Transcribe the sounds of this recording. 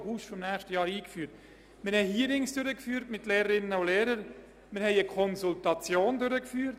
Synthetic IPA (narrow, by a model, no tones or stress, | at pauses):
huːsfɔmnæːχʃtəjɑːɾiːkfyːɾt | mɪɾhɛɪhiːəɾɪŋsd̥ʏɾəkfyːɾtmɪtleːɾəɾɪnəʊleːɾəɾ | mɪɾhɛɪəkʰɔnsultɑt͡sjoːndʏɾəkfyːɾt